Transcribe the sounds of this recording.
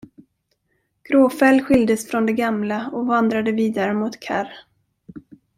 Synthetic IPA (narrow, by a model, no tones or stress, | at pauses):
ɡ̥ɾoːfɛlɧɪld̪əsfɾɔnd̪ɛɡamlaɔvand̪ɾad̪əviːd̪aɾəmʊt̪kʰa̰ɾ